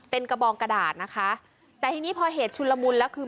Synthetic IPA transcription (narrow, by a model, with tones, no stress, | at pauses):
pe˧nka˧bɔː˧ŋka˧daː˨˩t̪̚na˦˥kʰa˦˥ʔ | t̪ɛː˨˩t̪ʰiː˧niː˦˥pʰɔː˧ɦeː˨˩˦t̪̚t͡ɕʰu˧lːa˧mu˧nlɛː˦˥wkʰɯː˧